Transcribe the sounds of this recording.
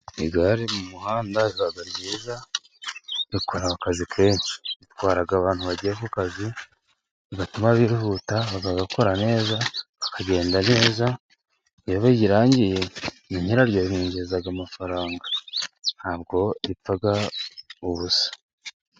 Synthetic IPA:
iɡaɾimumuhaːndaɾikaɡaɾɟiːza | ɾikʰoɾaakazikʰe̞ːnsi̥itwaːɾaɡaːβaːnhuβaɟiɾekukazi | iɡatumaβiɾihutaβaɡaɡako̞ɾane̞ːza | akʰaɟe̞ːndane̞ːza | oβaɟiɾaːɲɟije̞ | niɲiɾaɾɟohiːɲɟezaɡamafaɾaːŋɡḁnhaːβɡo̞ɾifaɡa | uβusḁ

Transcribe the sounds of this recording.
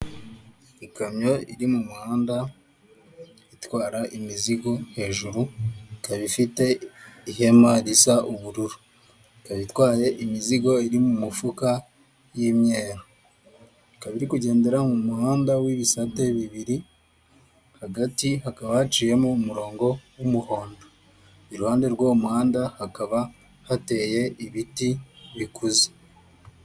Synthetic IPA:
ikamɲo̞ḭɾimumuhaːnda | itwaːɾaʔimiziɡo̞he̞ːʒuɾuikaβifite̞iɦe̞maɾisaʔuβuɾuɾu | ikaβitwaːje̞ʔimiziɡo̞iɾimumufuka | jimɲeːɾa | ikaβiɾikuɟe̞ːnde̞ɾamumuhaːndawiβisate̞βiβiɾi | haɡatihakaβahat͡ʃiːje̞moːmuɾo̞ːŋɡo̞wumuho̞ːndo | iɾuhaːnde̞ɾɡwoːmuhaːndahakaβa | hate̞ːje̞ʔiβitiβikuze̥

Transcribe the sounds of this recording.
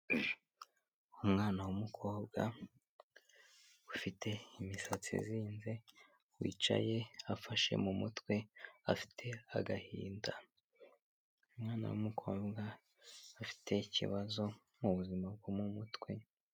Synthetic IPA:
umŋaːnawumukʰo̞ːbɡa | ufitʰe̞imisat͡sḭziːnze̞ | wḭːt͡ʃa̰je̞afaʃḛmumutkwe̞afi̥tʰe̞aɡahḭːnda | umŋaːna̰wṵmukʰo̞ːbɡaː | fi̥tʰe̞icḭβazo̞ | muβuzimab̚ɡomumutkwe̞

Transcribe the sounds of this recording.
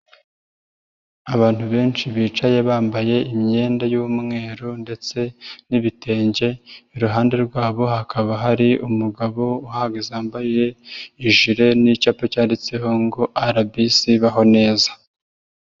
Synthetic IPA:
aβaːn̥huβe̞ːnt͡ʃiβiːt͡ʃajeβaːmbaje̞imɲe̞ːndajuːmŋe̞ːɾonde̞t͡se̞niβitʰe̞ːɲɟe̞iɾuɦaːnde̞ɾɡwaːβo̞ɦakʰaβaɦaɾiumuɡaβo̞uhaɡezaːmbajije̞iʒiɾe̞nicaːpocaːndet͡se̞ɦo̞ŋɡo̞ʔaɾabisiβaɦo̞ne̞ːzḁ

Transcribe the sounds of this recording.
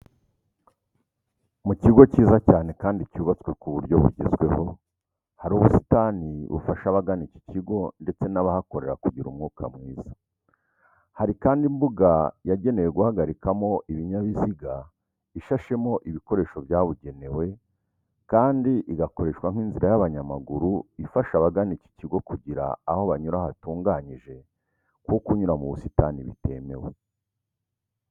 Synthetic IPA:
muciɡo̞ciːzacaːne̞kaːndicuːβat͡skwe̞kuβuɾjo̞βṵɟḛzɡwe̞ho̞ | haɾuβusi̥taniβṵfaʃaβaɡanici̥ciɡo̞nde̞t͡se̞naβahako̞ɾe̞ɾakuɟiɾṵmŋuːkʰa̰mŋiːz̥a | haɾikaːndimbuɡajaɟe̞ne̞jeɡuhaɡaɾikamo̞ʔiβiɲaβiziɡa | iʃaʃe̞mo̞ʔiβiko̞ɾe̞ːʃo̞vjaːβuɟe̞ne̞we̞ | kaːndiʔiɡako̞ɾe̞ʃkwaŋ̥iːnziɾajaβaɲamaɡuɾuifaʃaβaɡanici̥ciɡo̞kuɟiɾa̰ːho̞βaɲuɾahatuːŋɡaːɲiʒe̞ | kwokuɲuɾamuβusitaniβḭte̞̰me̞̰we

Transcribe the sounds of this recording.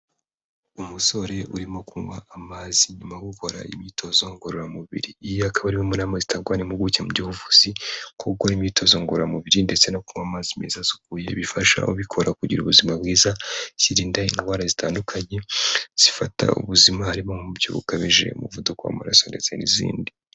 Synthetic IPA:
umuso̞ɾe̞uɾimo̞kuŋwaʔamaziɲumaɡuko̞ɾa̰imiːtʰo̞zo̞ŋɡoɾoɾamuβḭɾiːjoakaβaɾimomunaːmazitaɡwanimuɡucemuɟihuvuzikʰokoimito̞zo̞ŋɡoɾoɾamuβiɾinde̞t͡se̞nokuŋwamaːzimezazu̥kuje̞̰βifaʃa̰uβikʰo̞ɾakuɟiɾṵβuzimab̚ɡiːzaz̥iɾiːndaiŋɡwaːɾazitaːndukʰaɲe̞z̥ifata̰ṵβuzimahaɾimo̞ŋubjo̰βṵkaβiʒe̞̰ṵmuvudukoa̰ma̰ɾa̰so̞nde̞t͡se̞nḭzḭːndi

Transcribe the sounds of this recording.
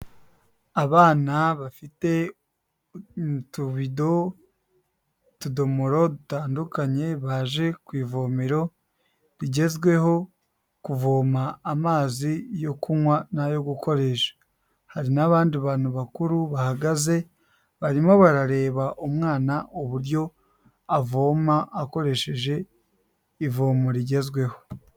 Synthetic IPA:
aβaːnaβafite̞ | ntuβido̞ | tudo̞moɾo̞dutaːndukaɲe̞βaʒe̞kwiːvoːmiɾo̞ | ɾiɟe̞zɡwe̞ho̞ | kuvoːmaːmaːzijo̞kumwanajo̞ɡuko̞ɾe̞ʃḁ | haɾinaβaːndiβaːn̥huβakuɾuβahaɡaze̞ | βaɾimoβaɾaɾe̞ːβaʔomŋaːnaʔoβuɾɟo̞ | avo̞ːmaako̞ɾe̞ʃe̞ʒe̞ | ivo̞ːmoɾiɟe̞zɡwe̞ho̞̥

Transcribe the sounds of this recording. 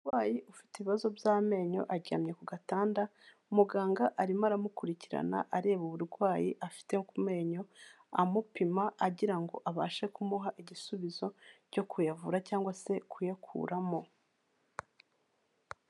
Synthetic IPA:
uɾɡwaːjiʔufi̥teβiβazo̞bjaːme̞ːɲo̞̰ʔaɟia̰ːmɲe̞kuɡataːndaumuɡaːŋɡaʔaɾimaɾamukuɾiciɾa̰na̰ʔaɾe̞ːβuβuɾɡwaːjiʔafi̥te̞kume̞ːɲo̞ | amupimaʔaɟiɾaŋɡo̞̰ʔaβa̰ːʃe̞kumuɦaʔiɟisuβizo̞ | ɟo̞kʰujavuɾacaːŋɡwase̞kujakʰṵːɾamo̞

